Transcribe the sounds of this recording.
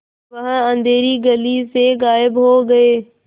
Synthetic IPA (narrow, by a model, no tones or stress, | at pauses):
ʋɐ̃ɦə̃ə̃nd̪ʱeːɾiɡɐliseɣaːɪbɦoɡɐeː